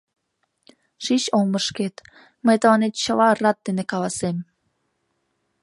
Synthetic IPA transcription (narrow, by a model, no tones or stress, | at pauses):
ʃiɕolməʃket̪ | məjt̪əlɑnet̪̚t͡ɕəlɑrɑt̪̚d̪enekɑlɑsem